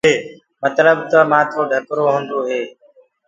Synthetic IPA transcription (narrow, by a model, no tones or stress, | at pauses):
eː | mət̪ləbt̪əmãːt̪ʰoːɖʱəkɾoːɦõːnd̪oːɦeː